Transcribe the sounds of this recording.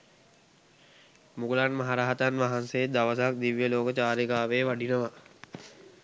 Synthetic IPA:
muɡulanmaɦaɾaːɦət̪anʋaɦanseːd̪aʋəs̬ak̚d̪iʋjəloːkət͡ʃaːɾikaːʋeːʋaɖinəʋa

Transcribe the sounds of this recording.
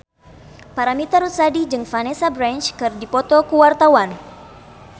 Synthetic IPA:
paɾamit̪aɾut̪sadid͡ʒɨŋfanɛsabɾant͡ʃkɨrdipɔt̪ɔkuwart̪awan

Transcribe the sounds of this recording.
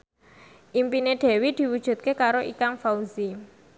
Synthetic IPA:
ʔimpineɖ̪̥e̤wid̪̥i̤wud̥ʒ̥ṳt̪̚kekaɾoʔikaŋfauzi

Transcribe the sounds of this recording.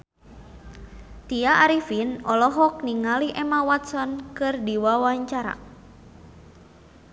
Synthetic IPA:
t̪iaːɾifinɔlɔɦɔk̚niŋaliʔɛmawat̪sɔnkɨrdiwawaɲt͡ʃaɾa̰

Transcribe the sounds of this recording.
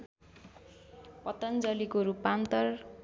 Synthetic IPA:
pʌt̪ʌnd͡zʌlikoɾupːant̪ʌr

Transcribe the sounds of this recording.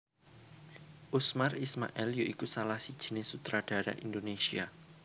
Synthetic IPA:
ʔusmarisma̰ʔɛljoʔikusalahsi̥ʒ̥inɪsut̪ɾad̥aɾa̰ʔindonesia

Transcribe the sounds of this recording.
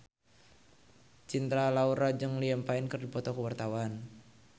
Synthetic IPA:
t͡ʃint̪ɾalauɾad͡ʒɨŋliəmpaɪnkərdipɔt̪ɔkəwart̪awan

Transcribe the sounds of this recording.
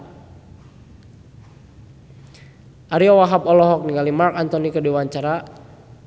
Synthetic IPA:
ʔaɾiɔwaɦapɔlɔɦɔk̚niŋɡalimarkant̪ɔnikədiwaɲt͡ʃaɾa

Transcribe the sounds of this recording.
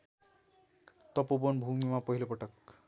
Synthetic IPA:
t̪ʌpobonbʱumimapʌɦilopʌʈʌk

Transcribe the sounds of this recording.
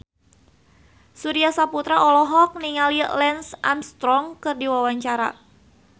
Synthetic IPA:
suɾiasaput̪ɾaʔɔlɔɦɔk̚niŋalilɛnsʔa̰mst̪ɾɔŋkɨrdiwawaɲt͡ʃaɾa̰

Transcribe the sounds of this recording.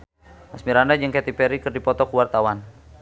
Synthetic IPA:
masmiɾandad͡ʒɨŋkɛt̪ipɛɾikɨrdipɔt̪ɔkuwart̪awan

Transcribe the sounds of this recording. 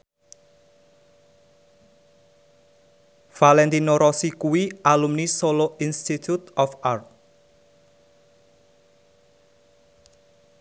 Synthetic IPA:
falɛnt̪inoɾɔsikuwiʔalumnisoloʔinst̪it̪ʰut̪ɔfart̪̚

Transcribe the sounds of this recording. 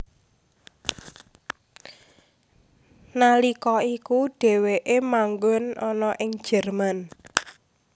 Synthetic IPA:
nalikɔikuɖ̥e̤weʔemaŋɡʊnɔnɔʔɪŋ̥ʒ̥ɛ̤rman

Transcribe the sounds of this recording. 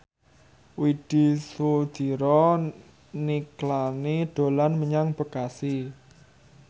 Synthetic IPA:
wid̪̥i̤sud̪̥i̤ɾɔ | niklaniɖ̪̥o̤lanməɲaŋb̥ə̤kasi

